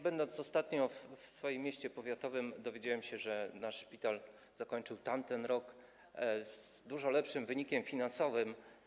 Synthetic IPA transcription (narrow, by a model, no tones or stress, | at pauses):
bɛnd̪ɔnsɔst̪at̪ɲɔffsfɔjemʲːjeɕt͡ɕɛpɔvʲjat̪ɔvɘmd̪ɔvʲjed͡ʑawɛmɕɛʐɛnaʂʂpʲit̪al | z̥akɔɲt͡ʂɘwt̪amt̪ɛnɾɔk | zd̪uʐɔlɛpʂɘmvɘɲikʲɛmfʲinansɔvɘm